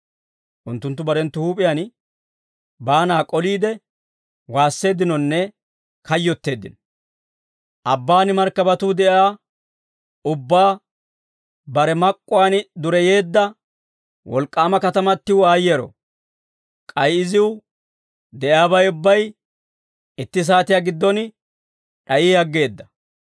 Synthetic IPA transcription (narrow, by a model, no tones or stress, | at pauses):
ʔʊnt̪ːʊnt̪ːʊbɐɾɛnt̪ːʊhuːpʼɪjan | baːnaːkʼɔliːd̪ɛ | waːsːe̞ːd̪ːɪnɔnːɛ | kɐjːɔt̪ːe̞ːd̪ːɪnɔ | ʔɐbːaːnɪmɐɾkːɐbɐt̪ʊːd̪ɛʔɪaː | ʊbːaː | bɐɾɛmɐkʼːʊwaːnd̪ʊɾɛje̞ːd̪ːɐ | wɔ̰lkʼːaːmɐkɐt̪ɐmɐt̪ːɪwaːjɛɾɔ̰ | kʼɐjɪzɪw | d̪ɛʔjaːbɐjʊbːɐj | ɪt̪ːɪs̬aːt̪ɪjaːɡɪd̪ːɔn | ᶑɐʔiɐɡːe̞ːd̪ːɐ̥